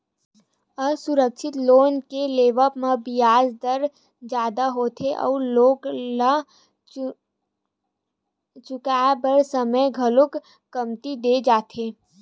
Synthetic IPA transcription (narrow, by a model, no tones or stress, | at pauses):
əsʊɾəkʃɪt̪loːnkeleːʋəpmabɪjaːd͡ʒd̪əɾ | d͡ʒaːd̪aɦoːt̪ʰeʔɔ̰ːɾloːɡla | t͡ʃʊkaːbəɾsəməjɡʱɐlʊkː | əmt̪id̪ed͡ʒaːt̪ʰeː